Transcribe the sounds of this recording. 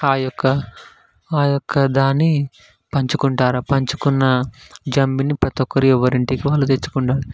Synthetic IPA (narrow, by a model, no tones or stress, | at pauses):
aːjɔkːɐ | aːjɔkʰːɐd̪aːnːi | pɐɲt͡ʃukuɳʈaːɾapɐɲt͡ʃukunːɐd͡ʒɐmbinipɾɐt̪ɔkːɐɾiɔʋːɐɾiɳʈikiʋaːlːut̪et͡ʃːu̥kuɳɖaːɽi